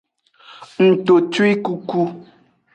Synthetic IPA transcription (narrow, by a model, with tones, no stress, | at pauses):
n̩˨to˨twi˦ku˦ku˦